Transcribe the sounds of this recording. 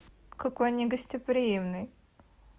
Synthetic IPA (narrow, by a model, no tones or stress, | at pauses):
kɐkojnʲɪɡəsʲtʲɪpɾʲɪjimnɨj